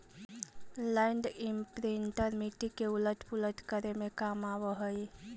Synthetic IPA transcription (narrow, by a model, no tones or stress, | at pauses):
laɪɳɖimpɾiɳʈəɾmiʈikeulət̪pulət̪kəɾemekamaʋəɦəj